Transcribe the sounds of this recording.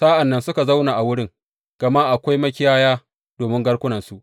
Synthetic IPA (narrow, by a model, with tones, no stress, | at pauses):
saː˦ʔa˨nːɐ˦nsʊ˦ka˨za˦wnaː˨ʔa˨wʊ˦ɽɪ˦ŋ | ɡ̥ɐ˨ma˦ʔa˨kʷa˦jmɐ˦kʲɪ˦jaː˦jaː˦ | d̥oː˨mɪ˦ŋɡɐ˦ɽkʷʊ˦nɐ˨nsu˦ʔ